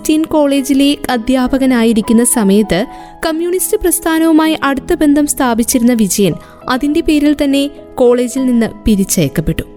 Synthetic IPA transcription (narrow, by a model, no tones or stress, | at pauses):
tinko̞ːɭe̞ːd͡ʑile̞kɐd̪ʱjaːbʱɐɣɐnaːjiɾikʲːunːɐsɐmɐjɐt̪ːɨ | kɐmjuːɳistɨprɐst̪ʰaːnɐʋumaːjiʔɐɽut̪ːɐbe̞nd̪ʱɐmst̪ʰaːbit͡ɕːiɾunːɐʋid͡ʑɐjɐn | ɐðinde̞pe̞ːɾilt̪ɐnːe̞ | ko̞ːɭe̞ːd͡ʑilninːɨpiɾit͡ɕːɐjɐkːɐpːe̞ʈːu̥